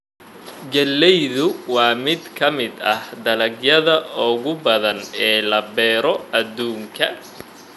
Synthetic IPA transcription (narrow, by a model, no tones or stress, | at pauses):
ɡɐlːɛjðʊwɑːmɪd̪kʰɐmɪd̪ɐhd̪ɐlɐɡjɐðɐɔːɣʊbɐðɐnɛːlɐbɛːɾɔɐd̪uːŋkʰɐ